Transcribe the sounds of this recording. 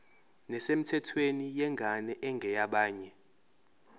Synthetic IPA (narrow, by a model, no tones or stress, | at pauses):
nɛsem̩tʰɛtʰwenijɛŋɡʱanɛʔɛŋɡʱɛjaɓaːɲɛ